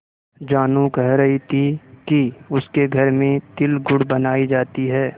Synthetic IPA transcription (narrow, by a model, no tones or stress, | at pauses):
d͡ʒaːnũkɐɦɾɐɦit̪ʰikiʊskeɡʱɐɾmẽt̪ɪlɡʊɽbɐnaːid͡ʒaːt̪iɦɛː